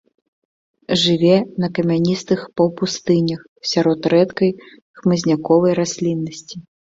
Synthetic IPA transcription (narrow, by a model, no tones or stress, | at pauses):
ʐɨvʲɛnɐkɐmʲanʲist̪ɨxpɐwpust̪ɨnʲɐx | sʲaɾɔt̪ɾɛt̪kɐj | xmɨzʲnʲakɔvɐjɾasʲlʲinːɐsʲt͡sʲi